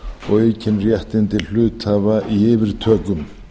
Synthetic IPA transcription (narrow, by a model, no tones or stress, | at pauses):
ɔ̰ɣeːjcʰɪnrjɛht̪ɪnt̪ɪl̥ʏːt̪ʰaːvaʔieːvɪɾ̥t̪ʰœːkʏm